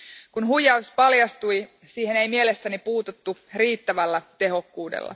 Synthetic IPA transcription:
kunhujˑɑuspɑljɑst̪uj | siːhene̞jmielest̪ænipuːt̪ut̪ːuriːt̪ːæʋælːæt̪e̞ɦo̞kːuːdḛlːɑ̰

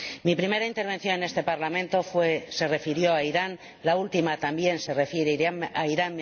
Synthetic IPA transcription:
mipɾime̞ɾaint̪e̞ɾβ̞e̞nθjo̞nene̞st̪e̞paɾlamẽ̞nt̪o̞fwese̞re̞fiɾjo̞aiɾan | lault̪imat̪ambje̞nserefjeɾeɾaiɾan

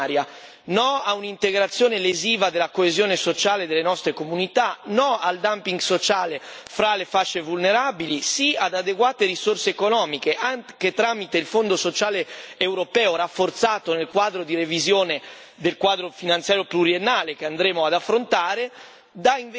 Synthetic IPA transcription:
ɾja | nɔaunint̪eɡɾat̪sːjoːneleziːvad̪elːakoezjoːnesot͡ʃaːled̪elːenɔst̪ɾekomunit̪anɔald̪ampiŋɡsot͡ʃaːlefɾalefaʃːevulneɾabilisiad̪ad̪eɡwaːt̪eɾisorseːkonɔːmikeʔaŋk̟et̪ɾamit̪eilfond̪osot͡ʃaːleːwɾopɛːoɾafːort̪saːt̪onelkwaːd̪ɾod̪irevizjoːne | d̪elkwaːd̪ɾofinant̪sjaːɾjopluɾienːaːlek̟eand̪ɾeːmoad̪afːɾont̪aːɾe | d̪aiɱv

